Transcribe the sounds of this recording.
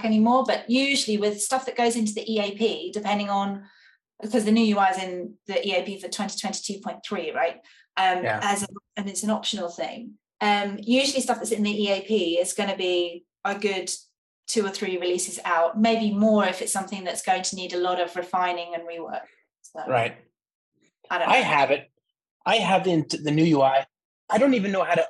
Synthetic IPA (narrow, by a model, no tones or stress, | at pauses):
kɛnimɔːbʌʔjʉʒəl̩iwɪð̥stʌfðəʔɡ̥əʊzɪ̃ntuðiʔieɪpʰiːdɪpʰɛ̃ndɪ̃ŋə̃n | kʰʌzðənʉjəwaɪzɪ̃nðiʔieɪpʰiəvðɨtʰw̥ɛ̃nti̥tʰw̥ɛ̃nti̥tʰʉpʰɔ̃ɪ̃nθɹiːɹa̰ɪt̚ | ʔʌ̃məzəə̃nɪtsə̃nɒpʃənəl̩ˠθɪ̰̃ŋ | ʌ̃mjʉːʒəl̩ˠistʌfðətsɪ̃nðiiːeɪpʰiːɪz̥ɡ̥ʌñəbi | əɡʊd | tʰʉːəθɹiɹɪliˑsɪzaʊʔ̚meɪbimɔːɹɪfɪtsʌ̃mθɪ̃ŋðətsɡ̥oʊɪ̃ŋtʰəniːdəlɒɾəvɹɪfãɪ̃nɪ̃ŋə̃nɹiwɜ̰ˑk̚ | səɹa̰ɪt̚ | ɪdõa̰ɪəvɪt̚ | ʔaɪəvɪ̃nðɨnjʉjuaɪ | aɪɾõʊ̃ntivɨ̃nːoʊɦaʊɾɨ